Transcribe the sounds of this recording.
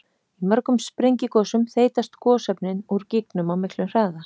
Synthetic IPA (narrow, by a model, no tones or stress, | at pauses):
imœɾkʏmspɾejɲcɪkɔːsʏmθeːjt̪ast̪kʰɔːsɛpnɪnuɾciknʏmawmɪklʏnr̥aːða